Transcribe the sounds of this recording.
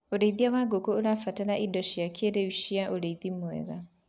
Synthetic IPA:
oɾeiðiawaːɡokooɾafataɾaʔidɔʃjakʰeɾeuɕiaʔoɾeiðimwɛ̰ɣa

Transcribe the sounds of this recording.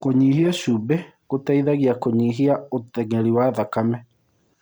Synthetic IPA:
koɲiːhiɛʃube | ɣotaiðaɣiakoɲiɦiaotɛŋɛɾiwaðakamɛ

